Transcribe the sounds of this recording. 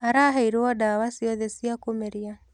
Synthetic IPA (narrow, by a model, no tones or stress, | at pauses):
aɾaɦaiɾɔdawasiɔðɛsiakomeɾia